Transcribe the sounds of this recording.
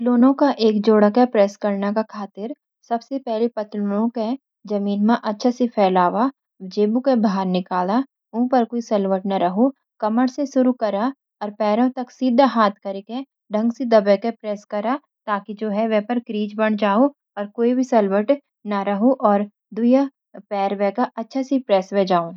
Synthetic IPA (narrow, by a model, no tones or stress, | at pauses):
ɐt̪loːnõkaʔeːkd͡ʒoːɽəkepɾɛːskɐɾnakakʰaːt̪ɪɾ | sɐbsepɛɦlepɐt̪lonõke | d͡ʒɐmiːnmãʔɐtːʃʰasipʰɛːlaːʋa | ʋɪd͡ʒeːbukebʱaːɾnɪkaːla | ũːpɐɾkoːisɐlʋəʈnaɾɐɦo | kɐməɽsesʊɾukɐɾa | ɔːɾpɛːɾõt̪ɐksiːd̪ʱaɦaːt̪ʰkɐɾekẽ | ɖʱɐ̃ŋɡsid̪ɐbɛkepɾɛːskɐɾa | t̪aːkid͡ʒoːɦɛʋɛpɐɾkɾiːd͡ʒbɐɽ̃d͡ʒaːo | ɔːɾkoːibʱisɐlʋəʈ | nɐɾɐɦoʔɔːɾ | d̪ʊja | pɛːɾʋɛkaʔɐtːʃʰasipɾɛːsʋɛd͡ʒaːõ